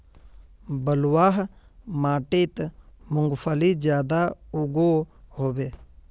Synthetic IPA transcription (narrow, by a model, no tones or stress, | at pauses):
bəlwaːɦ | maːʈeːt̪mʊŋɡpʰəliːd͡ʒjaːd̪aːʊɡoːɦoːʋeː